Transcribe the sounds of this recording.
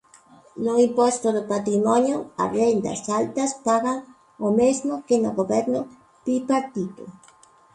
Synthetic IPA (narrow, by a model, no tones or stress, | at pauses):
noimpost̪oðopat̪ɾimɔnjoa̰rend̪ɐ̰salt̪ɐspaɣaŋ | omezmokenoɣoβɛɾnʊ | pipat̪ik̪o̰